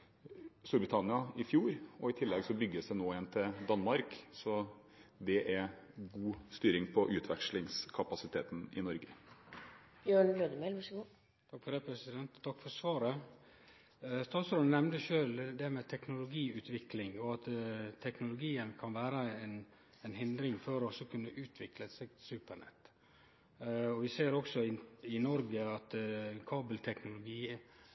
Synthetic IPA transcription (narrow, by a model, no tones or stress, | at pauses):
st̪uːɾbɾɪt̪ʰɑnɪɑɪfjuːɾɔɪt̪ʰɪlːɛɡsɔbʏɡːəsd̪ɛnoːeːnt̪ʰɪld̪ɑnːmɑɾksɔ | d̪ɛʔæɾɡuːst̪yːɾɪŋpʰɔʔʉːt̪ʰʋɛ̰kʂlɪŋskʰɑpɑsɪt̪ʰeːt̪n̩ɪ̰nɔɾɡə | bjøːɳløːd̪əmɛːlʋɑʂɡuː | t̪ʰɑkfɔɾɖ̪ɛpʰɾɛsɪd̪ɛnt̪t̪ʰɑkːfɔɾsʋɑːɾə | st̪ɑːt̪sɾoːd̪n̩ɛmnd̪əʃøːld̪ɛmɛt̪ʰɛknʊlʊɡiːʉːt̪ʰʋɪklɪŋɔɑt̪t̪ʰːɛknʊlʊɡiːənkʰɑnʋæːɾəɛn | ɛnɦɪnd̪ɾɪŋfɔɾɔsɔkʰʉnːəʔʉːt̪ʰʋɪkləsɛɡsʉːpəɳɛ̰t̪ː | ɔʋɪseːɾɔksɔɪɪnɔɾɡəɑt̪kʰɑːbəlt̪ʰɛknʊlʊɡiː